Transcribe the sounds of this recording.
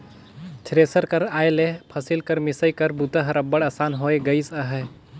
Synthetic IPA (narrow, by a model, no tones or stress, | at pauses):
t͡ʃʰɾesəɾkəɾaːjelepʰɐsilkəɾmɪsəjkɐɾbut̪aɦɐɾəbːəɽaːsaːnɦoːeɡəisəɦɛ